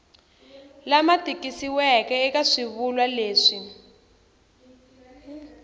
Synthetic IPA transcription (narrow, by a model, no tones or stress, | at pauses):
lamatʼikisiwɛkɛɛkaʂiβulwaleːʂi